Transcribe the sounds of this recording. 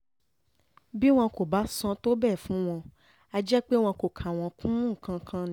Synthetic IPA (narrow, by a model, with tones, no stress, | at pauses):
bi˦w̃ɔ̃˧ko˨ba˨˦sɔ̃˧to˦bɛ˦˨fũ˨˦w̃ɔ̃˧ | a˧d͡ʒɛ˦k͡pe˦w̃ɔ̃˧ko˨kʰa˨w̃ɔ̃˧kũ˦ũ˦˨kã˧kʰã˦nĩ˧˦